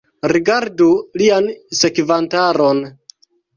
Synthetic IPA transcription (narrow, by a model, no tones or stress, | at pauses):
ɾiɡaɾdulianse̞kvantaɾon